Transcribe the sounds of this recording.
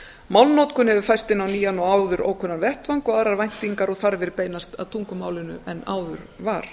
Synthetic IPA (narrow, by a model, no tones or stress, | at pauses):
mawlnowt̪kʏnhɛvʏfajst̪ɪnːawniːjanɔwaːwðʏɾo̰ːwkʰɛnːanvɛht̪vaŋkɔɣaːðɾaɾvajn̥t̪iŋkaɾɔɣθaɾvɪɾpeːjnast̪a̰ðt̪ʰuŋkʏmaːwlɪnʏ̰ɛnaːwðʏɾ̥vaɾ̥